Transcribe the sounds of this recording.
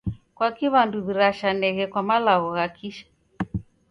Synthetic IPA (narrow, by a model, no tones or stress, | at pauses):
kwakiβanduðiɾaʃanɛɣɛkwamalaɣɔɣakiʃḁ